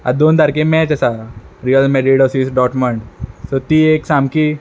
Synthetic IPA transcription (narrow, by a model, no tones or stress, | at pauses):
a̰d̪oːnd̪ʱaɾkemɛ̃t͡ʃɛsaɾijəlmeɾiɖɔsisɖɔːʈməɳɖsot̪ieːksamki